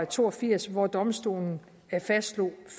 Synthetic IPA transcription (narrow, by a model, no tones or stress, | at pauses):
æt͡sʰo̝ːɒfiɐ̰sʋɒd̥ɒ̽msd̥o̝̰ːln̩ | æɐfæsd̥lo̝f